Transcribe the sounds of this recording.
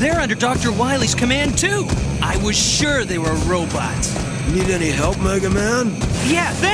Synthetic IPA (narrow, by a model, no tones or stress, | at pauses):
ðə˞ʌ̃ndə˞dɔk̚tə˞waɪlˠiz̥kʰɨmæ̃ntʰʉʔaɪwʌz̥ʃʊɹðeɪwə˞ɹoʊbɑ̰ts | jɨniɾɛniɦɛlˠp̚mɜɡəmæ̃njæðɨ̃